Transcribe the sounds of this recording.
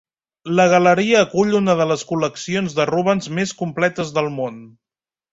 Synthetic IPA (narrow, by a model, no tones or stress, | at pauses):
ləɣ̞ələɾiəːkuʎunəðələskuləksionzðəruβənzmeskumplɛt̪əzðəlˠmon